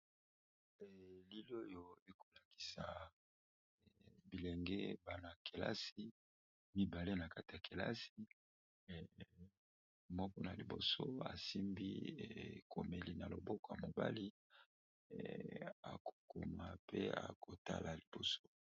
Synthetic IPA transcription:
ɛ˨li˦lo˦jo˨e˦ko˨la˨ki̥˨sa˨ | bi˨lɛ˨ŋɡɛ˦ba˨na˨kʰe˨la̰˦si˦ | mi˦ba˨le˦na˨ka˦te˨a˨kʰe˨la̰˦si˨˦˨ | mɔ˦kɔ˦na˨li˨bo˨so˦a̰˨si˦mbi˦˨kʰo˨me˨li˨na˨lo˨bɔ˦kɔ˨ja̰˨mo˨ba̰˦li˦ | a̰˨ko̥˨ko˨ma˨pḛ˦a̰˨ko˨ta̰˦lʔa˨li˨b̥o˨so˦

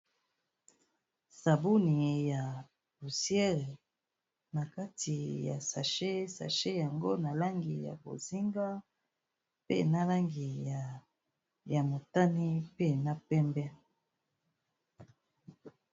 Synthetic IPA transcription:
sa˨bu˦ni˨ja˨ | bu˨sjɛ˦ʁe˨ | na˨ka˦ti˨ja̰˨sa˨ʃe˦sa̰˨ʃe˦ja˨ŋɡo˦na˨la˦ŋɡi˨ja̰˨bo̰˨zi˦ŋɡa˦ | pḛ˦na˦la˦ŋɡi˨ | ja˨mo˨ta˦ni˦pe˦na˦pɛ˦mbɛ˦

